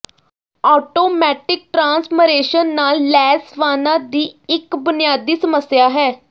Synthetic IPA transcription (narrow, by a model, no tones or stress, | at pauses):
ɔːʈoːmɛːʈɪk̚ʈɾãːnsməɾeːʃənːaːlːɛːsʋaːnad̪iːɪkbʊnɪjaːd̪iːsəməsjaːɦɛː